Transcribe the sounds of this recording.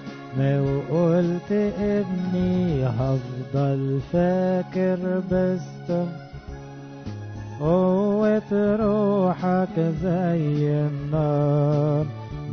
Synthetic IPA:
mæwʔult̪ʔɪbniɦɑfd̪ˤɑlfæːkɪɾbɪst̪ʊm | ʔowet̪ɾuːħakzæjɪnːɑːɾˤ

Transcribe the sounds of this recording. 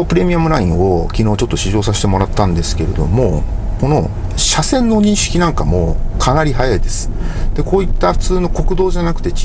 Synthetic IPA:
pɯ̟ɾe̞mʲiamɯ̟ɾaĩŋo̞kʲino̞ːt͡ɕo̞t̪ːoɕiʑo̞ːsaɕi̥t̪e̞mo̞ɾat̪ːãnd̪esɨ̥ke̞ɾe̞d̪o̞̰mo̞ | ko̞no̞̰ | ɕasẽ̞nːo̞ɲ̟ĩɰ̃ɕi̥kʲinãŋkamo̞̰kʰanaɾʲiɦajaid̪e̞sɨ̥d̪̥e̞ko̞ːit̪ːaɸɯ̟̥t͡sɨːno̞ko̞kɯ̟d̪oːʑanakɯ̟t̪e̞t͡ɕ

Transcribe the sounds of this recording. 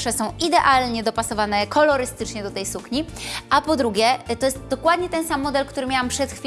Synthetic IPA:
ʂɛsɔ̃w̃ʔid̪ɛʔalɲɛd̪ɔpasɔvanɛkɔlɔɾɘst̪ɘt͡ʂɲɛd̪ɔt̪ɛjsukɲiʔapɔd̪ɾuɡʲjɛt̪ɔjɛst̪d̪ɔkwad̪ɲɛt̪ɛnsamːɔd̪ɛlkt̪uɾɘmʲawampʂɛt̪xfʲi

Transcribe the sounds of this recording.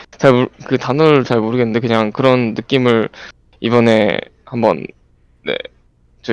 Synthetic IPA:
t͡ɕaɭmukɯtanɯɭt͡ɕaɭmoɾɯɡe̞nːɯnde̞kɯɲaŋkɯɾʌnːɯk͈imɯɭ | ibʌne̞̰ | hambʌ̰nː | e̞̰ | t͡ɕʌ

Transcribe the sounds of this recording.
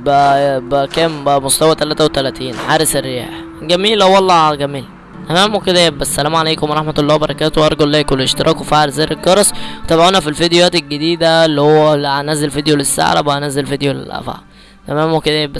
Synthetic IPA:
bæʔbækæːmbæʔmost̪æwæt̪ælæːt̪æwet̪ælæt̪iːnʕaːɾeserːejæ̰ːħ | ɡæmiːlowːɑlˤːɑɡæmiːl | t̪æmæːmeked̪æjebːæsːælæːmʕaleːkomwɾˤɑħmæt̪lˤːɑːwebɑɾˤɑkæːt̪owʔɑɾˤɑɡollːæːkolʔeʃt̪eɾʔɑːkwfaʕɾzæːɾelɡɑɾˤɑsˤwt̪æbʕonæfilfid̪ejæːt̪elɡed̪iːd̪ælːihowːælæænæzelfed̪jolesːa̰ʕlæ̰bæʔænæzelfed̪jolḛlʔæ̰fa̰ʕ | t̪æmæːmweked̪æjeb

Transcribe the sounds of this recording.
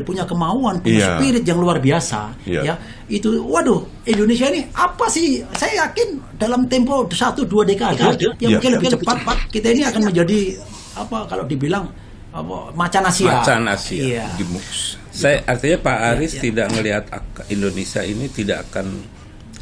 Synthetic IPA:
puɲakəmauanpuɲasəpiɾɪt̪̚jaŋluarbiasa̰ja | it̪uwahdʊh | indonesiainiapasɪhsajajakɪndalamt̪ɛmposat̪uduadekadajaŋakaləbikdəpaat̪̚pat̪̚kit̪ainiakanməɲd͡ʒadi | apakalodibilaŋ | apmat͡ʃanasiaat͡ʃana̰siia | sajʔart̪iɲapaʔːɾɪst̪idaʔŋəliɦat̪a̰kindonesia̰init̪idakakan

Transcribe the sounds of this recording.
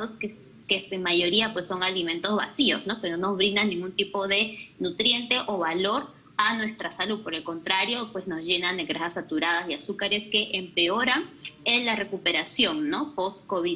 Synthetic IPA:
oske | keseŋmaʝo̞ɾiapwe̞sːo̞ŋalimẽ̞nt̪o̞zβa̰sio̞sno̞kenono̞zβɾind̪anĩŋɡunt̪ipo̞ðe̞nut̪ɾje̞nt̪e̞ʔoβalo̞ɾ | anwe̞st̪ɾasaluð̚po̞ɾe̞lko̞nt̪ɾaɾjo̞pwe̞sno̞zʝe̞nand̪eɣɾaxasat̪uɾað̞asjasukaɾe̞ske̞ʔempe̞o̞ɾaŋenlare̞kupe̞ɾasjo̞nno̞po̞skoβi

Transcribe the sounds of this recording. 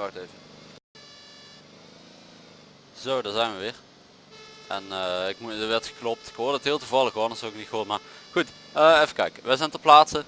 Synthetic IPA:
ɑxdøɥvə | zowdɑzɛjnʋəʋɪːɹ | ʔɛnəɪkmuʋɛɹtxə̥klɔp̚tɪ̥kɦoːɹdɑtɦɪːlˠtuvɑlˠəxɔnəsɔwɪk̚nitxɦoːtmaːɹxut | əːefəkɛ̰jkəʋɛjzɛjntəplaːtsə

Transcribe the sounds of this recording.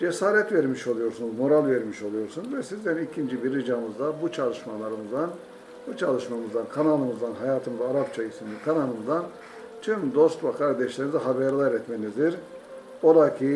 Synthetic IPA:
d͡ʒesaːɾɛt̪veɾmiʃo̞lˠujo̞ɾsunuzmo̞ɾalʲˠveɾmiʃo̞lˠujo̞ɾsunzvɛsizd̪ɛnicʰind͡ʒibiɾid͡ʒamɯzd̪abut͡ʃʰalˠɯʃmalˠaɾɯmɯzd̪an | but͡ʃʰalˠɯʃmamɯzd̪ankʰanalˠɯmɯzd̪anɦajaːt̪ʰɯmzaɾapt͡ʃʰaisimd̪ikʰanalˠɯmɯzd̪an | t̪ʰymd̪o̞st̪vakʰaɾd̪ɛʃlʲeɾinizɛɦabɛɾlˠaɾɾɛt̪menizd̪iɾ | o̞d̪acʰi

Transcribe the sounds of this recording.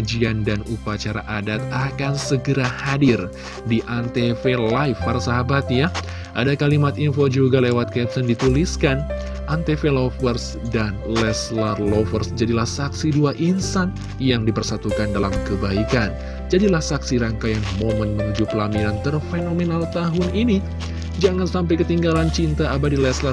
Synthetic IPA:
ad͡ʒiandanupat͡ʃaɾa̰ʔadat̪̚akansəɡəɾahadir | diʔant̪efelaifarsaɦabat̪̚ja | ʔadakalimat̪infod͡ʒuɡalewat̪̚kɛpsəndit̪uliskan | ʔant̪efelofərs | danlɛslarlofərsd͡ʒadilahsaksiduaʔinsan | jaŋdipərsat̪ukandala̰mkəbaikan | d͡ʒadilahsaksiɾaŋkajaŋmomənməŋud͡ʒupəlaminant̪ərfenomenalt̪aɦʊnini | d͡ʒaŋansamp̬ajkət̪iŋɡalant͡ʃint̪aːbadilɛslar

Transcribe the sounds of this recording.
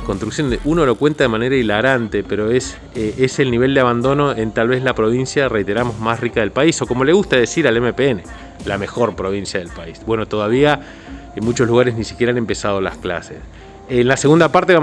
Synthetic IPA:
konst̪ɾuksjonuno̞lo̞kwe̞nt̪aðemaneɾailaɣɾant̪epeɾo̞es | eselniβe̞ld̪eaβand̪o̞no̞ent̪alβe̞zlapɾo̞βinsjarejt̪e̞ɾamo̞zmasrikaðe̞lpaiso̞ko̞mo̞le̞ɣust̪aðesiɾalemepeene | lame̞xo̞ɾpɾo̞β̞insjaðe̞lpaisbwe̞not̪o̞ðaβia | mut͡ʃo̞zluɣaɾeznisi̥kʲje̞ɾaane̞mpe̞sað̞ola̰skla̰sḛs | enlase̞ɣund̪apaɾt̪eβa

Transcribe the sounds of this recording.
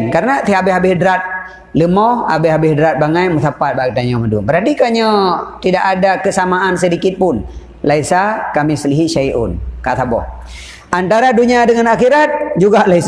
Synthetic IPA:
nkaɾənat̪iabɪɦabɪhdɾat̪̚ | ləmɔa̰bɪɦabɪhdɾat̪̚baŋajməθapat̪̚baɡit̪aɲəmədumbəɾat̪ikaɲət̪idaʔadakəsamaʔansədikɪt̪̚pʊn | laisakamisəliɦiʃajʔʊ̰nkat̪abɔ̰h | ʔant̪aɾaduɲadəŋanaxiɾat̪̚d͡ʒuɡaʔlais

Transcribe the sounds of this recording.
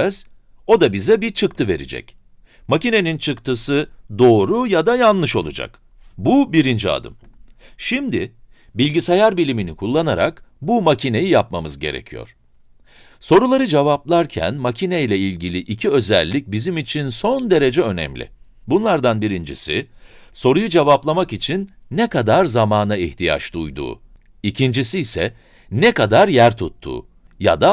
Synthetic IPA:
z̥ | o̞d̪abizɛbit͡ʃʰɯkt̪ʰɯve̞̰ɾḭd͡ʒɛ̰c | macine̞nint͡ʃʰɯkt̪ʰɯsɯd̪o̞ːɾujad̪ajanlˠɯʃo̞lˠud͡ʒa̰k | bubiɾind͡ʒia̰d̪ɯ̰mʃimd̪ɪ | bilʲɟisajaɾbilʲiminikʰulˠːanaɾa̰kbumacʰine̞jijap̚mamɯzɟe̞̰ɾḛcʰijo̰ɾ̥ | so̞ɾulˠaɾɯd͡ʒevaplˠaɾcʰæ̰nmacʰinejlʲɛilʲɟilʲiʔicʰiø̞zæ̰lʲːic̚bizimit͡ʃʰinso̞nd̪e̞ɾe̞d͡ʒɛø̞nɛ̰mlʲɪ̰ | bunlˠaɾd̪anbiɾind͡ʒḭsḭso̞ɾujud͡ʒevaplˠamakit͡ʃʰinːɛkad̪aɾzamaːnaiht̪ʰija̰t͡ʃd̪ujd̪ṵː | icʰind͡ʒisiːsɛ | nɛkad̪aɾjæɾt̪ʰut̪ʰːṵː | ja̰d̪a

